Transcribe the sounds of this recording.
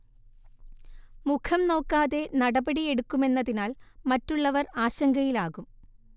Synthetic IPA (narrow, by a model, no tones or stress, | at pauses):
mukʰɐmno̞ːkːaːðe̞nɐɽɐbɐɽie̞ɽukːume̞nːɐðinaːlmɐtːuɭːɐʋɐraːɕɐŋɡɐjilaːɣum